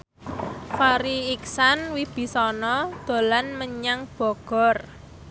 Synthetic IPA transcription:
faɾiːksanwib̥i̤sɔnɔd̪̥o̤lanməɲaŋb̥ɔ̤ɡ̥ɔ̤r

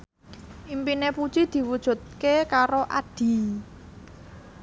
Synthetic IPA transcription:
ʔimpinepud̥t͡ʃid̪̥i̤wud̥ʒ̥ṳt̪̚kekaɾoʔa̰ɖ̥i̤

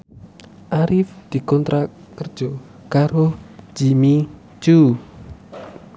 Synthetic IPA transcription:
ʔaɾɪfd̪̥i̤kɔnt̪ɾʔa | kərd̥ʒ̥ɔ | kaɾohd͡ʒ̥imi | t͡ʃu

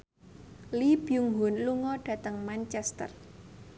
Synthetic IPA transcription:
lib̥juŋɦʊnluŋɔɖ̥ä̤t̪əŋmant͡ʃɛst̪ə̰r

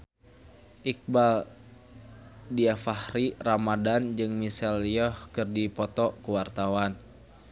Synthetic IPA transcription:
ʔik̚bal | diafahɾiramadand͡ʒɨŋmisɛliɔhkɨrdipɔt̪ɔkuwart̪awan

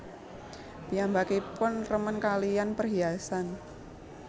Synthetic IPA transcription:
d̪̥i̤ambakepʊnrəmənkalianpərɦiasan

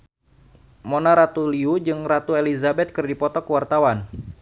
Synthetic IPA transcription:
monaɾat̪uliud͡ʒɨŋrat̪uelizabɛt̪̚kɨrdipɔt̪ɔkəwart̪awan

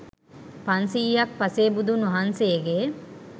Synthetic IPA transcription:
pansiːjɐk̚pɐseːbud̪unuɦanseːɡe

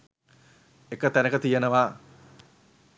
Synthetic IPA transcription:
ekːət̪ɛnəkət̪ijənəʋa

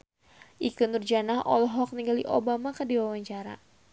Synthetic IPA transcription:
ʔikundurd͡ʒanaɦʔɔ̰lɔɦɔk̚niŋɡalḭʔo̰bamakədiwawaɲt͡ʃaɾa̰

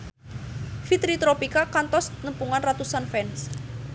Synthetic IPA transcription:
fit̪ɾit̪ɾopikakant̪ɔsnəmpuŋanrat̪usanfɛns

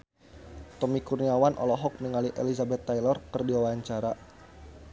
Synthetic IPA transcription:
t̪ɔmikurniawanʔɔ̰lɔɦɔk̚niŋaliʔḛlizabɛt̪ːajlɔrkərdiwawaɲt͡ʃaɾa

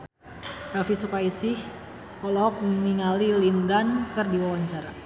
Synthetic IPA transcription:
kafisukaisɪh | kɔlɔk̚mniŋalilindankərdiwawaɲt͡ʃaɾa

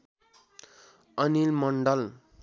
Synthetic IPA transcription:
ʌnilmʌɳɖʌl

